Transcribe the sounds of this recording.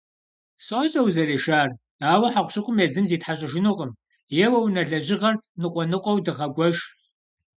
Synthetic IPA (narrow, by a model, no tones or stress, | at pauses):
sʼoɕʼɐwzɐreːʃaːr | aːwɐħaqʷɕɨqʷʼʊmezɨmziːtħaɕ̬ʼɪʒɪnuːqʼəm | jɛwɐwnɐɮɐʑɪʁɐrnɨqʷʼɔnɨqʷʼɔwdɨʁɐɡʷɔʒ